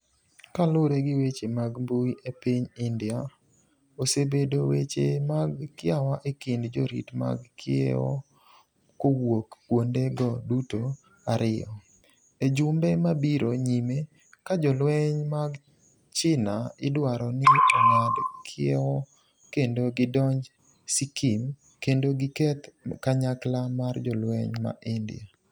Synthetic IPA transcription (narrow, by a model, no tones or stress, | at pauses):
kalʊɾeɡɪwet͡ʃemaɡmbuiepiɲɪndɪa | osebedowḛt͡ʃemaɡkɪawaʔekɪndd͡ʒoɾḭtma̰ɡkʰɪḛɔ̰ | kowokːwondeɡɔduto | aɾɪjɔ̰ | ed͡ʒʊmbemabiɾoɲime | kad͡ʒɔlwɛɲmaɡ | t͡ʃɪnaɪdwaɾɔnɪɔŋadkʰɪewɔ | kendoɡɪdɔɲd͡ʒ | sikʰim | kendoɡɪkɛt̪kaɲaklamard͡ʒɔlwɛɲma̰ʔɪndɪ̰ja̰